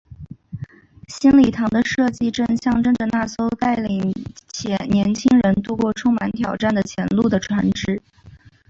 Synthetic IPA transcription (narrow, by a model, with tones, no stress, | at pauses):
ɕi˥nli˨˩t̪ʰɑ˧˥ŋd̪ə˧ʂɤ˥˧t͡ɕi˥˧ʈ͡ʂə˥˧nɕjɑ˥˧ŋʈ͡ʂɤ˥ŋʈ͡ʂə˨na˥˩so˥ʊt̪a˥˩ɪli˨˩ŋt͡ɕʰjɛ˧˩njɛ˧˥nt͡ɕʰi˥ŋɻə˧˥nt̪u˥˧kwɔ˥˩ʈ͡ʂʰʊ˥ŋma˧˥nt̪ʰjɑ˨˩ʊʈ͡ʂa˥˩nd̪ə˩t͡ɕʰjɛ˧˥nlu˥˩d̪ə˩ʈ͡ʂʰwa˧˥nʈ͡ʂɻ̩˥